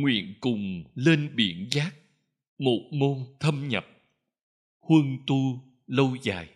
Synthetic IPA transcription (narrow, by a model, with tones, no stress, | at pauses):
ŋwḭ˧˨ənkʊ˨˩ŋ͡mle˧nɓi˧˩˦ənzaː˦˥k̚ | mo˨˩t̚mo˧nt̪ʰə˧mɲə˨˩p̚ | hwə˧nt̪u˧ | lə˧wza̰ː˨˩j